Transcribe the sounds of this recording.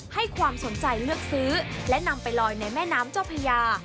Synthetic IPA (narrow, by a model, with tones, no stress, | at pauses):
ha˥˩jkʰwaː˧mso˩˦nt͡ɕa˧jlɯ˥˩ək̚sɯː˦˥lɛ˦˥na˧mpa˧jlɔː˧jna˧jmɛː˥˩naː˦˥mt͡ɕa˥˩pʰa˧jaː˧